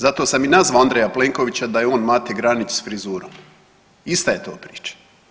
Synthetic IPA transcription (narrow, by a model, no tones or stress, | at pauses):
zat̪osaminazaand̪ɾejapleːŋko̞ʋit͡ɕad̪ajeo̞ːnmaːt̪eɡɾanit͡ʃsfɾizuːɾom | ist̪aje̞t̪oːpɾiːt͡ʃḁ